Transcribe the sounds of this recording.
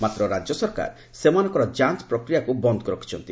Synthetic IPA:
mat̪ɾɔɾad͡ʒjɔsɔɾka̰ɾ | semanɔ̃ŋkɔɾɔd͡ʒant͡ʃpɾɔkɾijakubɔnd̪ʱɔkɔɾɔkʰi̥t͡ʃʰɔnt̪i

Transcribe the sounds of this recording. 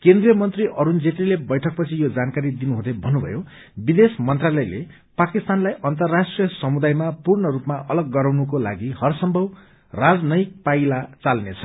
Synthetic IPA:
kend̪rijʌmʌnt̪riʔʌɾund͡zeʈilebʌjʈʰʌk̚pʌt͡sʰijod͡zankaɾid̪inuɦũd̪ebʱʌnːubʱʌ̰jo | bid̪esmʌnt̪ralʌjlḛ | pakist̪anlajʔʌnt̪ʌrːaʂʈrijʌsʌmud̪ajmapurnʌɾupmaʔʌlʌɡːʌɾawnukola̰ɡihʌrsʌmbʱʌw | rad͡znʌjik̚pajlat͡salnet͡sʰʌ̥

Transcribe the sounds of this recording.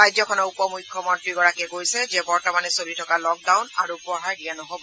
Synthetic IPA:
ajzɔkʰɔnɔupɔmujkʰjɔmɔntɹiɡɔɹakɛɡojsɛzɛbɔɹtɔmanɛsolitʰɔkalɔk̚dawnaɹupɔɦaɹdijanɔɦobɔ

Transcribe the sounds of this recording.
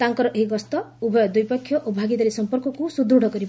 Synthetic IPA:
t̪aŋkɔɾɔʔeɦiɡɔst̪ɔubʱɔjɔd̪ujpɔkʰːjɔʔobʱaɡid̪aɾisɔmpɔɾkɔkusud̪ɾuɽ̤ʱɔkɔɾi

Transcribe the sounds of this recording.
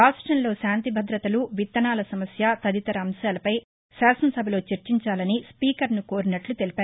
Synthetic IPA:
ɾaːsʈɾɐnlo̞ːʃaːnt̪ibʱɐd̪ɾɐt̪ɐluʋit̪ːɐnaːlɐsɐmɐsjat̪ɐd̪it̪ɐɾɐːmsjaːlɐpɐj | saːsɐnsɐbʱɐlo̞ːt͡ʃeɾt͡ʃiɲt͡ʃaːlɐnispiːkɐɾnuko̞ːɾinɐʈlut̪e̞lipaːɾ

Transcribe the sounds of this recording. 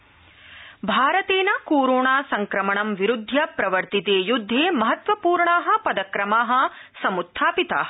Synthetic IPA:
bʱaːɾɐt̪eːnɐkoːɾoːɳaːsɐŋkɾɐmɐɳɐmʋiɾud̪ʱːjɐpɾɐʋɐɾt̪it̪eːjud̪ʱːeːmɐɦɐt̪ʋɐpuːɾɳaːɦɐ̆pɐd̪ɐkɾɐmaːɦɐ̆sɐmut̪ʰːaːpit̪a̰ːɐ

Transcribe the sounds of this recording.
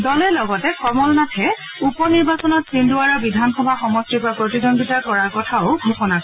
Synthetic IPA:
dɔlɛlɔɡɔtɛkɔmɔlnatʰɛ | upɔniɹbasɔnɔtsinduaɹɔbidʱanxɔbʱaxɔmɔstipɹapɹotidɔnɡitakɔɹaɹkɔtʰaʊɡʱɔxɔnakɔɛ

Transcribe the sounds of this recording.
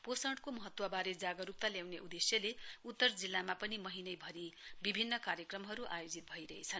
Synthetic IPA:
posʌɽkomʌɦʌt̪wʌbaɾed͡zaɡʌɾup̚t̪aljawneʔud̪esjʌleut̪ːʌrd͡zilːamapʌnimʌɦinʌjbʱʌɾibibʱinːʌkaɾjʌkrʌmɦʌɾuʔa̰jod͡zit̪̚bʱʌiɾʌɦet͡sʰʌn

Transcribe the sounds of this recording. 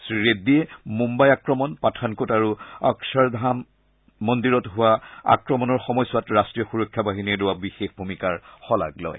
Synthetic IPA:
sɹiɹediɛmumbajakɹɔmɔnpatʰankotaɹuaksɔɹdʱamː | ɔndiɹɔtɦʊwaa̰kɹɔmɔnɔɹxɔmɔjsʊwatɹastɹijɔxuɹɔkʰːjabaɦiniɛlʊwabixexbʱumikaɹxɔla̰ɡlɔ̰j

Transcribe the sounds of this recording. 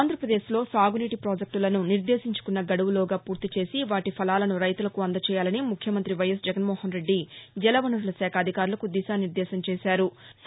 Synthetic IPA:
aːnd̪ʱɾɐpɾɐd̪e̞ːʃlo̞ːsaːɡuniːʈipɾoːd͡ʒek̚ʈulɐnuniɾd̪e̞ːsiɲt͡ʃu̥kunːɐɡɐɽuʋulɔːɡaːpuːɾt̪it͡ʃe̞ːsiʋaːʈipʰɐlaːlɐnuɾɐjt̪ulɐkuɐnd̪ɐt͡ʃɛːjaːlɐnimukʰjɐmɐnt̪ɾiʋɐjɐs̬d͡ʒɛɡɐnmɔːhɐnɾe̞ɖːid͡ʒɛlɐʋɐnɐɽulɐsɛːkʰɐːd̪ʱikaːɾulɐkud̪iʃaːniɾd̪ɛːʃɐmt͡ʃɛːʃaːɾu

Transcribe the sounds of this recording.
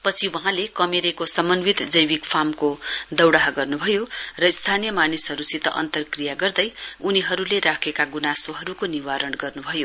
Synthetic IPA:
pʌt͡sʰiwʌ̃ɦãlekʌmeɾekosʌmʌnwit̪d͡zʌjbikpʰamkod̪ʌwɽaɦaɡʌrnubʱʌjorʌist̪ʰanijʌmanisɦʌɾusit̪ʌ̰ʔʌ̰nt̪ʌrkrijaɡʌrd̪ʌjuniɦʌɾuleɾakʰekaɡunasoɦʌɾukoniwaɾʌɳɡʌrnubʱʌjo

